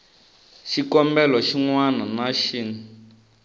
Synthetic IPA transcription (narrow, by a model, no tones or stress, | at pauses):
ʃikɔmbɛlɔʃiŋwananaʃiːnu